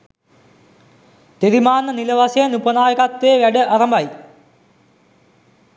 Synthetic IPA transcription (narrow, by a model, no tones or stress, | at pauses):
t̪eɾimaːnːɐnilɐʋɐsɐɐnupɐnaːjɐkɐt̪ːeːʋɐɽɨʔɐrɐmbɐj